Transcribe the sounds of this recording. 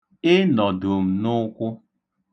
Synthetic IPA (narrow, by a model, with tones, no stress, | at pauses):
ɪ˦nɔ˨dʊ˨m̩˨nʊ˦kʷʊ˦